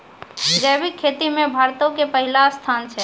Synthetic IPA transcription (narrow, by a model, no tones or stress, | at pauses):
ɡəjbikʰːet̪imebʱaɾt̪okepəɦilast̪ʰant͡ʃʰɛ